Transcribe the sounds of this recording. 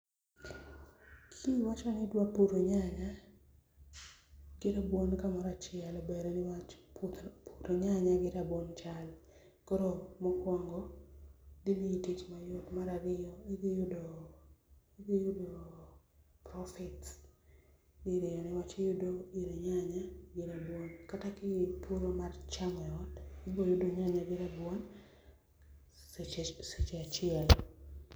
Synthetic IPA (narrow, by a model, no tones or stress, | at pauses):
kʰiwat͡ʃɔnɪdwapuɾoɲaɲa | ɡ̥ɪɾabwonkamaɾat͡ʃɪɛlɔbeɾenɪwat̪pʰuɾoɲaɲaɡɪɾabont͡ʃal | kɔɾomɔkwɔŋɡɔ | dimiitit͡ʃmajʊtmaɾaɡɪjɔiɡejodo | iɡijʊdo | pɾɔfɛts | diɾejɔnɪwat͡ʃejʊdoiɾeɲaɲaɡɪɾabwonkatakɪpʰuɾomart͡ʃaŋɛɔtɪbojʊdoɲaɲaɡɪɾabwon | set͡ʃeat͡ʃɪɛl